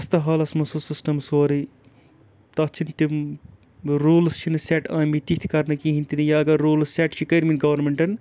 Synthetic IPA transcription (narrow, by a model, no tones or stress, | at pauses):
ɐst̪ɐɦɐːlɐsmɐsusisʈɐmsoːɾi | t̪ɐt͡ʃʰint̪im | ɾuːlst͡ʃʰinɨseʈɐ̃ːmit̪it̪ʰi̥kɐɾnɐkiɦint̪inɨjaːɐɡɐːuːlsseʈt͡ʃʰikɐɾminɡɐʋɐɾmeɳʈɐn